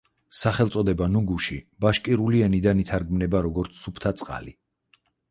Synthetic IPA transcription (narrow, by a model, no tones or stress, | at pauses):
saχɛlˠt̪sʼɔd̪ɛbanuɡuʃibaʃkʼiɾuliɛnid̪anit̪ʰaɾɡmnɛbaɾɔɡɔɾt̪sʰːupʰt̪ʰat̪sʼqʼa̰li